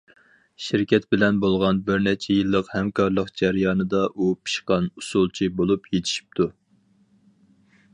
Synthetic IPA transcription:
ʃiɾkʲʰɛt̪̚bɪlɛnbolˠʁɑnbɪɾnɛt͡ʃʰɛjilˠːəqhɛmkʰɑɾlˠəqd͡ʒæɾjɑːnɨd̪ɑʔupʰi̥ʃqɑnusulˠt͡ʃʰibolˠupʰjet̪ʰɪ̥ʃi̥p̚t̪ʰu

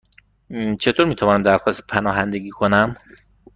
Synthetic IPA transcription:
t͡ʃʰe̞t̪ʰoɾmiːt̪ʰævɒːnæmd̪æɾxɒːst̪pʰænɒːɦænd̪e̞ɡiːkʰo̞næm

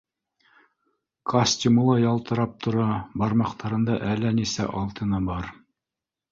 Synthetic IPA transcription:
kʰosʲtʲimulˠɑjɑlˠt̪ɤ̆ɾɑp̚t̪ʰŏɾɑbɑɾmɑqt̪ʰɑɾɤ̆nd̪ɑʔælːænisæ̰ʔɑlˠt̪ɤ̆nɤbɑɾ

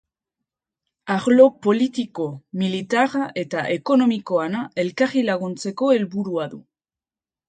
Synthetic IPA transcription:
aɣlo̞po̞lit̪iko̞milit̪araʔe̞t̪aʔe̞ko̞no̞miko̞anae̞lkarilaɣunt͡se̞ko̞e̞lβuɾuaðṵ

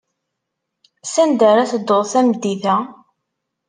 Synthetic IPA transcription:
sænd̪æɾæθd̪oðˤθæmd̪ːiθæ

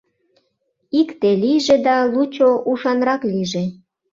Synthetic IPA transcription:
ikt̪elijʒed̪ɑlut͡ɕoʔuʃɑnɾɑkliʒe

